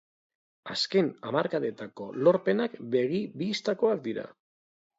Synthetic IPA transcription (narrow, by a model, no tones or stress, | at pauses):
aske̞na̰maɾkaðe̞t̪ako̞lo̞ɾpe̞nakbe̞ɣibiːst̪ako̞ak̚d̪iɾa̰